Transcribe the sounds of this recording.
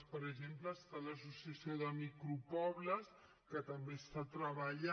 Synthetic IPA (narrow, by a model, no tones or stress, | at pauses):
pəɾəʒempləːst̪aləsusiəsioðəmikɾupɔβləs | kət̪əmbest̪at̪ɾəβəʎa